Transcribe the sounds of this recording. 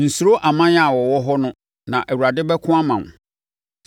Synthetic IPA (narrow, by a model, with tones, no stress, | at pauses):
n̩˨su˨ɾo˦ʔa˨mã˦ɲ˦a˨wɔ˨wɔ˦ɦɔ˦nʊ̃˦ | nã˨ʔæ˨wu˨ɾa˨dɪ˦bɛ˦kʰʊ̃˦a˦mã˨ŋ˨